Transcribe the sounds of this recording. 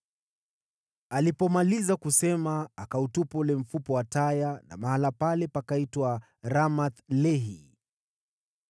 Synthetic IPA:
alipɔmalizakusɛmaːkautupɔlɛɱ̩fupɔwatajana̰mahalapalɛpakaitwa | ɾamat̪lɛɦi

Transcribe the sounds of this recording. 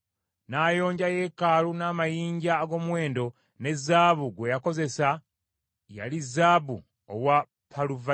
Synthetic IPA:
naːjo̞ːɲɟaje̞ːkaːlunaːmajiːɲɟaːɡo̞ːmwe̞ːndo̞ | ne̞zːaːβuɡwe̞jako̞ze̞sa | ja̰lizːaːβu | o̰wa | pʰaluva

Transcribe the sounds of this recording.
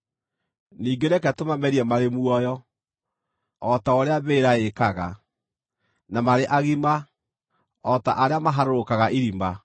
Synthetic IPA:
niːɡeɾɛkɛtomamɛɾiɛmaɾemwɔjɔ | ɔtaoɾeaβeːɾaekaɣa̰ | namaɾeʔaɣima | ɔta̰ʔaɾeamaɦaɾoɾokaɣaʔiɾima

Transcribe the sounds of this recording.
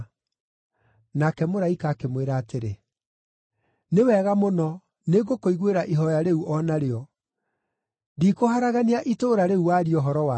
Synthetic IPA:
nakɛmoɾaikaːkemweɾaːteɾe | newɛɣamonɔ | neɣokoiɣweɾaʔiɦɔjaɾeuʔɔnaɾeɔ | dikoɦaɾaɣaneaʔitoːɾaɾeuwaɾiɔɦɔɾɔwa

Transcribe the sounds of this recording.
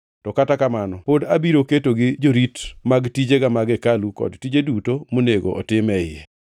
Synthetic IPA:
tɔkatakamanɔpodabiɾoketoɡɪd͡ʒoɾitmaɡtid͡ʒeɡamaɡɛkalukɔ̰dtid͡ʒedutomoneɡo̰ʔɔ̰tɪmɛɪḛ

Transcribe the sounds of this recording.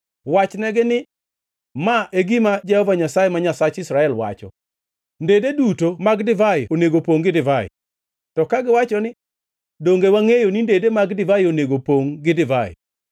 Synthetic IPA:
wat͡ʃnɛɡɪnɪ | maʔeɡimad͡ʒɛhɔvaɲasajemaɲasat͡ʃɪsɾaɛlwa̰t͡ʃɔ̰ | ndededutomaɡdɪvaɪoneɡopoŋɡɪdɪvaɪ̰ | tɔkaɡɪwat͡ʃɔnɪ | doŋɡewaŋejonindedemaɡdɪvajoneɡopoŋɡɪdɪvaɪ̰

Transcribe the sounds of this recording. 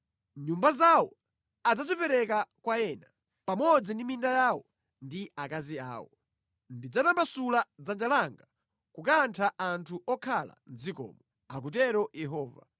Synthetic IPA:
ɲumbazawɔ | ad͡zad͡zipɛɾɛkakwajɛna | pamɔd͡zindimindajawɔ | ndiakazia̰ːwɔ̰ | ndid͡zatambasulad͡zand͡ʒalaŋɡa | kukantʰaʔantʰuʔɔkʰala̰nzikɔ̰ːmɔ | ak̬utɛɾɔjɛɦɔːva̰

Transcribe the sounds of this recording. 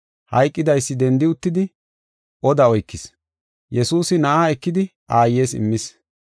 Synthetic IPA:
hɐ̰jkʼːɪd̪ɐjsːɪd̪ɛnd̪ɪʊt̪ːɪd̪ɪ | ʔɔd̪ɐɔjkːɪs | jɛsuːsɪnɐʔaːɛkːɪd̪ɪ | ʔaːje̞ːsɪ̰mːɪs

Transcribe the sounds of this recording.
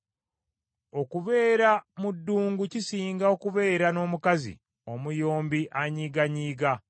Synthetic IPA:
o̞kuβe̞ːɾamudːuːŋɡucisiːŋɡao̞kuβe̞ːɾano̞ːmukazḭ | o̞mujo̞ːmbiʔaɲiːɡaɲiːɡa

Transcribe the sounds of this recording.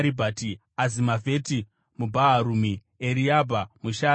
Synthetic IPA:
ɾibʱati | azimavʱe̞ːti | mubʱaɦaɾumi | eɾiabʱamuʃaː

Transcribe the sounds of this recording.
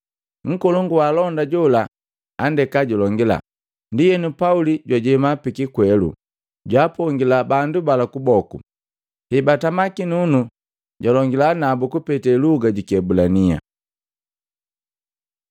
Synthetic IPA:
ŋ̩kɔluŋɡuwalɔndaɟɔlaː | ndɛkaɟulɔŋɡila̰ | ndijɛnupauliɟwaɟɛmapikikwɛlṵ | ɟwaːpɔŋɡilabandubalakubɔku | hɛbatamakinunu | ɟalɔŋɡilanabukupɛtɛluɡaɟikɛbulania̰

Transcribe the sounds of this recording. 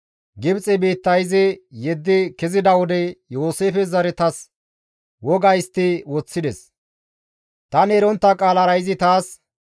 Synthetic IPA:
ɡɪbt͡sʼɛbiːt̪ːɐjɪzɪjɛd̪ːɪkɪzɪd̪ɐwɔd̪ɛjoːseːfɛzɐɾɛt̪ɐs | wɔɡɐjst̪ːɪwɔt͡sːɪd̪ɛs | t̪ɐnɛːɾɔnt̪ːɐkʼaːlɐɾɐjɪzɪt̪aːs

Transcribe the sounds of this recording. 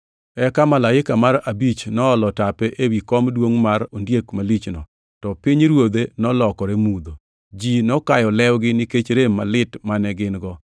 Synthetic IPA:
ɛkamalajɪkamaɾabit͡ʃnɔːlɔtapɛʔewikɔmdwoŋmaɾondjekmalit͡ʃnɔ | tɔpɪɲɾwod̪enɔlɔkɔɾemud̪o | d͡ʒinɔkajɔlɛwɡɪnɪket͡ʃɾemːalɪtmanɛɡɪnɡɔ

